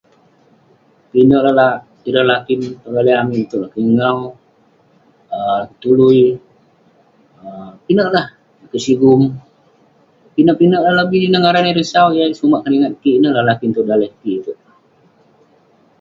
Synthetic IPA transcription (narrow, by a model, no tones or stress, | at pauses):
pinəʔlalah | iɾəhlakinpəɡaliamit̪uʔlahkiŋaw | əkət̪ului | əpinəʔlah | kəʔsiɡum | pinəʔpinəʔlaɦlabihdinaŋaɾaniɾəsawjasumaʔkəniŋat̪̚kiʔnəʔlahlakint̪udalɛhkiʔt̪u